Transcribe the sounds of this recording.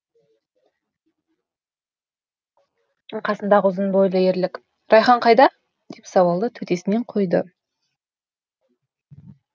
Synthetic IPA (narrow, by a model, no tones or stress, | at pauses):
qʰɑsənd̪ɑʁəʊzənbojlˠəeɾlɪkʲ | ɾɑjχɑɴqʰɑjd̪ɑ | d̪̥e̞psɑwɑlˠd̪ət̪ʰɵt̪e̞sɪne̞ɴqʰo̞jd̪ə̰